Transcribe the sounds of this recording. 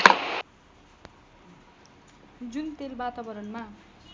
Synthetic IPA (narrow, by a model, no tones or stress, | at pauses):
d͡zunt̪elbat̪abʌɾʌnma